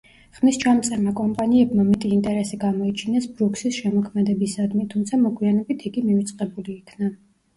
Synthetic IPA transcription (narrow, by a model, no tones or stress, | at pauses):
χmist͡ʃʰamt̪sʼɛɾmakʼɔmpʼaniɛbmamɛt̪ʼiːnt̪ʼɛɾɛsiɡamɔit͡ʃʰinɛsbɾuksisʃɛmɔkʰmɛd̪ɛbisad̪mit̪ʰumt̪sʰamɔɡwianɛbit̪ʰiɡimivit̪sʼqʼɛbuliːkʰna